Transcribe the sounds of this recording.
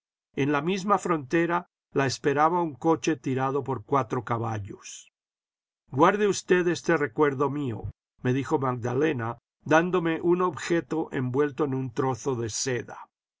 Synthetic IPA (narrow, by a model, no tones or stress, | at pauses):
e̞nlamizmafɾo̞nt̪e̞ɾa | laespe̞ɾaβauŋko̞t͡ʃe̞t̪iɾaðo̞po̞ɾkwat̪ɾo̞kaβaʎos | ɡwaɾðeust̪e̞ðe̞st̪e̞re̞kwe̞ɾðo̞mio̞̰ | me̞ðixo̞maɡ̚d̪ale̞na | d̪and̪ome̞ʔuno̞βxe̞t̪o̞ʔe̞̰mbwe̞lt̪o̞enunt̪ɾo̞θo̞ðe̞se̞ða̰